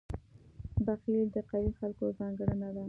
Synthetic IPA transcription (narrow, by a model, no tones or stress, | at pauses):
baxild̪əqaɾixalkozɑŋɡaɽənad̪a